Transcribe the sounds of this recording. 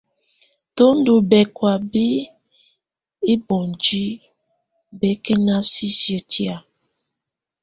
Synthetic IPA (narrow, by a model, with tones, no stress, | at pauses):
to˦n̩˦do˨bɛ˨kwa˨be˦ | e˦bɔ˨n˨d͡ʒi˦ | bɛ˨˦ke˦na˦si˦sjo˨ti˦a˨